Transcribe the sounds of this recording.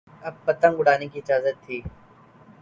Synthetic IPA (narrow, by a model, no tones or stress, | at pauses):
ɐb̚pɐt̪ə̃ŋɡʊɽaːnekiɪd͡ʒaːzət̪ʰːiː